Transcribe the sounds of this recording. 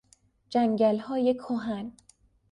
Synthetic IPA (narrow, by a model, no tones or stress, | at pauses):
d͡ʒæŋɟælhɒːjekʰːoɦæn